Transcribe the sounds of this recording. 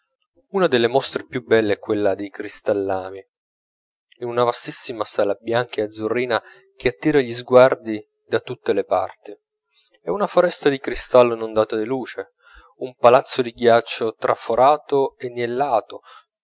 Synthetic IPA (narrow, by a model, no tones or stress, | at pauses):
unad̪elːemɔst̪ɾepjubːɛlːeɛkːwelːad̪ikɾist̪alːaːmi | inunavast̪isːimasaːlabjaŋkead̪zːurːiːna | k̟eat̪ːiːɾaʎizɡward̪i | d̪at̪ut̪ːelepa̰rt̪i | ɛunafoɾɛst̪ad̪ikɾist̪alːnond̪aːt̪ad̪iluːt͡ʃe | umpalat̪sːod̪iɡjat͡ʃːot̪ɾʔafoɾaːt̪oenːjelːaːt̪o